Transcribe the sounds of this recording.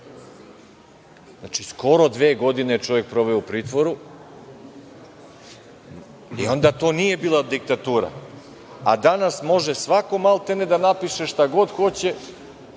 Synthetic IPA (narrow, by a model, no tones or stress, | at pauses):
znat͡ʃiskʰo̞ɾo̞d̪ʋeːɡo̞d̪inet͡ʃo̞ʋje̞k̚pɾo̞ʋeoupɾiːt̪ʋo̞ɾu | io̞nd̪at̪o̞ːnije̞biːlˠaod̪ːik̚t̪at̪uːɾa̰ | ad̪anasmo̞ʒesʋako̞malˠt̪ened̪anapiʃeʃt̪aɡo̞d̪xo̞t͡ɕe